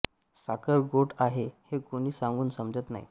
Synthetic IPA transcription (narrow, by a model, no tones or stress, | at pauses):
sakəɾɡoʈaɦehekun̤iːsãŋɡuːnsəmd͡zət̪na̰ḭ